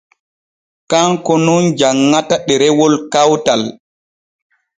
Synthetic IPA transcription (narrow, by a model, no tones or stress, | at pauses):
kaŋkɔnund͡ʒaŋːataɗɛɾɛwɔlkawtal